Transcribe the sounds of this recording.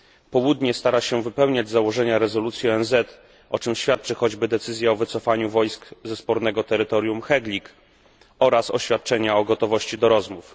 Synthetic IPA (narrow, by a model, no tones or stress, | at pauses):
pɔwud̪ɲɛst̪aɾaɕɛvɘpɛwɲad͡ʑzawɔʐɛɲaɾɛzɔlut̪sʲjiɔɛnzɛt̪ | ʔɔt͡ʂɘmɕfʲjat̪̚t͡ʂɘxɔd͡ʑbɘd̪ɛt̪sɘzʲjɛɔvɘt̪sɔfaɲuvɔjskzɛspɔɾnɛɡɔt̪ɛɾɘt̪ɔɾʲjumxɛɡlʲik | ɔɾasɔ̰ɕfʲjat̪̚t͡ʂɛɲaɔɡɔt̪ɔvɔɕt͡ɕid̪ɔɾɔzmuf